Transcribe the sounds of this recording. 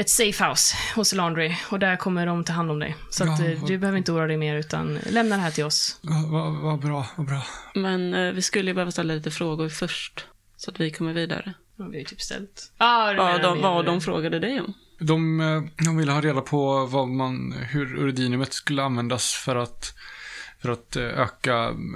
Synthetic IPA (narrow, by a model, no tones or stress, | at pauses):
ɛt̪sefhaʊshʊsland̪ɾɪɔd̪æɾkʰɔmːəɖɔmt̪ʰɑːɦand̪ɔmd̪ɛ̰jsɔat̪d̪ɵbɛhøːvɾɪnt̪əuːɾad̪ɛjmeːɾʉ̟ːt̪a̰nlɛmnad̪ɛɦæːʈʰɪlɔsɑvavabɾɑːvabɾɑːmɛnvɪskɵlːəjəbɛhøːvast̪ɛlːaliːt̪əfɾoːɡʊɾfœʂʈ | sɔat̪vɪkʰɔmːəɾviːd̪a̰ɾə | vɪhajət̪ʰy̥ːpst̪ɛ̰lt̪ːvad̪ɔvaɖɔmfɾo̰ːɡad̪əd̪ɛjɔm | d̪ɔmd̪ɔmvɪlːəhɑːɾeːd̪apʰɔvamanhɵɾɵ̰ɾɪd̪iːnɵmət̪skɵlːəanvɛnd̪asfœɾat̪ | fœɾat̪ø̰ːka